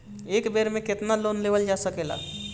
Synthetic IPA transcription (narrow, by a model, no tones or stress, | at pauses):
ekbeɾmẽket̪nalonlebəld͡ʒasəkela̰